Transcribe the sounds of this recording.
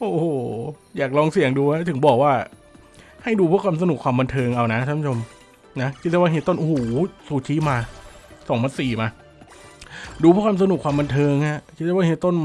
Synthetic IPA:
ʔoː˨˩ | jaː˨˩k̚lɔː˧ŋsi˨˩əŋduː˧ha˦˥˩t̪ʰɯ˩˦ŋbɔː˨˩k̚waː˥˩ | ha˥˩jduː˧pʰu˥˩əkʰwaː˧ms̬a˧nu˨˩kʰwaː˧ba˧nt̪ʰɤː˧ŋʔa˧wna˦˥ʔʰaː˧˦˥mʰ˦˥t͡ɕʰo˧m | na˦˥kʰt̪̚ːaː˧˩waː˥˩eː˨˦t̪ːo˥˩nʔhːsuː˨˩t͡ɕʰiː˨˦˥maː˧sɔː˩˦ŋmʰaː˧nsiː˨˩maː˧ | duː˧pʰu˥əkʰwaː˧sa˧nu˨˩kʰwaː˧ba˧nt̪ʰɤː˧ŋʔa˧˥˩kʰi˦˥aː˧˥˩wa˥˩ɦeː˨˦t̪ːo˥˩n

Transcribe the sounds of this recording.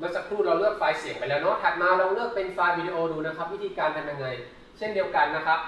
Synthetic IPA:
mɯ˧əsa˨˩kʰɾuː˥˩ɾa˧wlɯ˥˩ək̚faː˧jsi˨˩˦ŋpa˧jlɛː˦˥wnɔ˦˥p̪ʰɛː˨˩p̚maː˧ɾa˧wlɯ˥˩ək̚pe˧nfaː˧jwiː˧di˧ʔoː˧duː˧na˦˥kʰa˦˥p̚wi˦˥t̪ʰiː˧kaː˧nma˧nja˧ŋːa˧j | t͡ɕʰe˥˩ndi˧əwka˧nːa˦˥kʰa˦˥p̚

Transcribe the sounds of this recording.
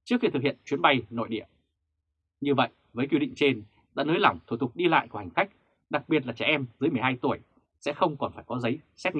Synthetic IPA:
t͡ɕɨ˦˥ək̚xi˧t̪ɨ˨˩k̚hḭ˧˨ənt͡ɕwi˨˦ənɓa˧jno̰˧˨jɗḭ˧˩ə | ɲɨ˧və̰˧˨j | vəː˨˦jkwi˧ɗḭ˧˨ŋ̟t͡ɕe˧n | ɗa̰ː˧˥nəː˨˦jla˧˩wŋ͡mt̪ʰu˧˩t̪ʊ˨˩k̚ɗi˧la̰ː˧˨jku˧˩ha˨˩ŋ̟xa˦˥jk̟̚ | ɗa˨˩k̚ɓi˨˩ət̚laː˨˩t͡ɕɛ˧˩ʔɛ˧mzɨ˨˦jmɨ˨˩jɦaː˧jt̪u˧˩əj | sɛ̰˧˥xə˧wŋ͡mkɔ˨˩nfaː˧˩jkɔ˨˦zə˨˦jsɛ˦˥t̚ŋ˧˨

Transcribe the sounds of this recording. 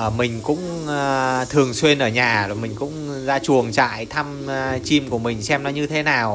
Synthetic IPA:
ʔəː˧˩mï˨˩ŋ̟kʊ̰˧˥ŋ͡m | t̪ʰɨ˨˩əŋswe˧nʔəː˧˩ɲaː˨˩zo˨˩mï˨˩ŋ̟kʊ̰˧˥ŋ͡m | zaː˧t͡ɕu˨˩əŋt͡ɕa̰ː˧˨jt̪ʰa˧m | t͡ɕi˧mku˧˩əmï˨˩ŋ̟sɛ˧mnɔ˨˦ɲɨ˧t̪ʰe˨˦naː˨˩w

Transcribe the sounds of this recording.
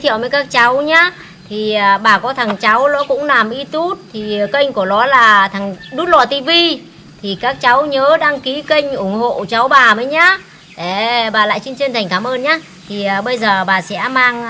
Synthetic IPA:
t̪i˧˨wməː˨˦jkaː˦˥k̚t͡ɕa˨˦wɲaː˨˦ | t̪ʰi˨˩ɓaː˨˩kɔ˨˦t̪ʰa˨˩ŋt͡ɕa˨˦wlɔ̰˧˦˥kʊ̰˧˥ŋ͡mlaː˨˩mʔi˧t̪u˦˥t̚t̪ʰi˨˩˨kə˧jŋ̟ku˧˩əlɔ˨˦laː˨˩t̪ʰa˨˩ŋɗu˦˥t̚lɔ˨˩t̪i˧vi˧ | t̪ʰi˨˩kaː˦˥k̚t͡ɕa˨˦wɲəː˨˦ɗaː˧ŋki˨˦kə˧jŋ̟ʔʊ˧˩ŋ͡mho̰˧˨t͡ɕa˨˦wɓaː˨˩məː˨˦jɲaː˨˦˥ | ɗe˧˩ɓaː˨˩la̰ː˧˨jt͡ɕi˧nt͡ɕə˧nt̪ʰŋ̟kaː˧˩mʔəː˧nɲaː˨˦ | t̪ʰi˨˩ə˨˩ɓə˧jzəː˨˩ɓaː˨˩sɛ̰˧˥maː˧ŋ

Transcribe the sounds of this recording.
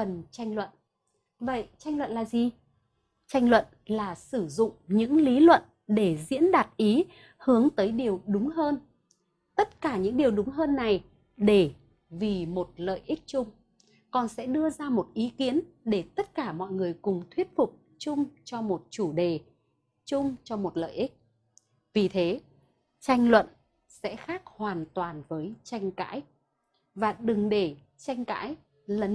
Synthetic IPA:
ə˨˩nt͡ɕa˧jŋ̟lwə̰˧˨n | və̰˧˨jt͡ɕa˧jŋlwə̰˧˨nlaː˨˩zi˨˩ | t͡ɕa˧jŋ̟lwə̰˧˨n | laː˨˩sɨ˧˩zʊ̰˧˨ŋ͡mɲɨ̰˧˥ŋli˨˦lwə̰˧˨n | ɗe˧˩zḭ˧˥ənɗaː˨˩p̚ʔi˨˦ | hɨ˨˦əŋt̪əː˨˦jɗi˨˩əwɗʊ˨˦ŋ͡mɦəː˧n | t̪ə˦˥t̚kaː˧˩ɲɨ̰˧˥ŋɗi˨˩əwɗʊ˨˦ŋ͡mɦəː˧nːa˨˩j | ɗe˧˩ | vi˨˩mo˨˩t̚lə̰ː˧˨jʔï˦˥k̟̚t͡ɕʊ˧ŋ͡m | kɔ˨˩nsɛ̰˧˥ɗɨ˧əzaː˧mo˨˩t̚ʔi˨˦ki˨˦ənɗe˧˩t̪ə˦˥t̚kaː˧˩mɔ̰˧˨jŋɨ˨˩əjkʊ˨˩ŋ͡mt̪ʰwi˦˥ət̚fʊ˨˩k͡p̚ | t͡ɕʊ˧ŋ͡mt͡ɕɔ˧mo˨˩t̚t͡ɕu˧˩ɗe˨˩ | t͡ɕʊ˧ŋ͡mt͡ɕɔ˧mo˨˩t̚lə̰ː˧˨jʔï˦˥k̚ | vi˨˩t̪ʰe˨˦ | t͡ɕa˧jŋ̟lwə̰˧˨n | sɛ̰˧˥xaː˦˥k̚hwaː˨˩nt̪waː˨˩nvəː˨˦jt͡ɕa˧jŋ̟ka̰ː˧˥j | vaː˨˩ɗɨ˨˩ŋɗe˧˩ | t͡ɕa˧jŋ̟ka̰ː˧˥j | lə˨˦

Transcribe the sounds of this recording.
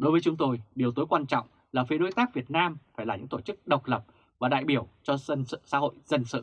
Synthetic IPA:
ɗo˨˦jvə˨˦jt͡ɕʊ˨˧˦ŋ͡mt̪o˧jɗi˨˩əwt̪o˨˦jkwaː˧nt͡ɕɔ̰˧˨wŋ͡m | laː˨˩fi˨˦ɗo˧jt̪aː˦˥k̚vi˨˩ət̚naː˧mfaː˧˩jaː˨˩ɲɨ̰˧˥ŋt̪o˧˩t͡ɕɨ˦˥k̚ɗə˨˩wk͡p̚lə˨˩p̚ | vaː˨˩ɗa̰ː˧˨jɓi˧˩əwt͡ɕɔ˧sa̰ː˧˥ho̰˧˨jzə˧nsɨ̰˧˨

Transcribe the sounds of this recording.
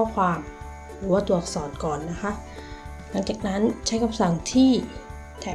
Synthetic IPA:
ɔ˥˩kʰwaː˧m | ɾɯɯː˩˦waː˥˩t̪u˨˩ək̚sɔː˨˩˦nkɔː˨˩nːa˦˥kʰa˦˥ʔ | na˧˥ŋt͡ɕaː˨˩k̚na˦˥nt͡ɕʰa˦˥jkʰa˧msa˨˩ŋt̪ʰiː˥˩ | t̪ʰɛː˨˦

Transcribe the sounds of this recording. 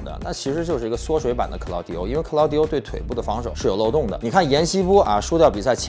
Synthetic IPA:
d̪ə̰˩na̰˥˩t͡ɕʰi˧˥ʂɻ̩˧˥t͡ɕjo˥˧ʊʂɻ̩˥˩˧ɡə˧swɔ˥ʂwe˧˥ɪpa˨˩nd̪ə˦kʰɤ˨˩lɑ˧˥t̪jo˧˥ʊi˥nwe˥˩ɪkʰɤ˨˩lɑ˧˥t̪̬jo˥ʊt̪we˥˩ɪt̪ʰwe˨˩ɪpu˥˩d̪ə˩fɑ˧˥ŋʂo˨˩ʊʂɻ̩˥˩jo˨˩ʊlo˥˧ʊt̪ʊ˥˩ŋd̪ə̰˩ni˨˩kʰa˥˩njɛ˧˥nɕi˥pɔ˥ɐ˧ʂu˥t̪jɑ˥˩pi˨˩s̬a˥˩ɪt͡ɕʰ

